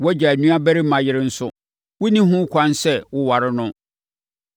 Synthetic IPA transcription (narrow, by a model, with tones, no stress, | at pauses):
wɔ˦d͡ʑa˨æ˨nũ˦a˦bæ˦ɾi˦mã˨jɪ˦ɾɪ̃˦n̩˦sʊ˦ | wʊ˦nĩ˦ɦʊ̃˦kʷʰã˦nsɛ˦wʊ˦wa˨ɾɪ˦nʊ̃˦